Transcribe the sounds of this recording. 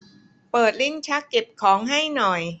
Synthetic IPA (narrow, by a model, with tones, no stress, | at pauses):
pɤː˨˩t̪̚li˥˩nt͡ɕʰa˦˥kːe˨˩p̚kʰɔː˩˦ŋɦa˥˩jnɔ˨˩j